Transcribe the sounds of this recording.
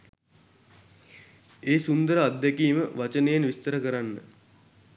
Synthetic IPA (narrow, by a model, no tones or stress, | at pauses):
eːsund̪əɾəad̪ːɛkiːməʋat͡ʃənejenʋist̪əɾəkəɾanːə̰